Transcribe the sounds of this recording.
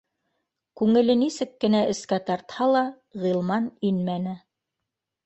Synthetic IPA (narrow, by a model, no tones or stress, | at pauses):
kʉŋɘ̆lɘnisɘkːɘ̆næɘ̆skæt̪ɑɾt̪hɑlˠɑ | ʁilˠmɑninmænɘ